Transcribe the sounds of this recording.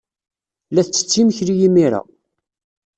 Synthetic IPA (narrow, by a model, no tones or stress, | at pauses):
læθt͡sːə̥t͡sːiməçɾijimiɾa̰